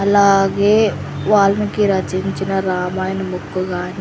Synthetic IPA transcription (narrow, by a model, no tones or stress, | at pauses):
ɐlaːɡe | ʋaːlmekiɾɐt͡ʃint͡ʃinaɾaːmaːɪnmʊkːɡaːn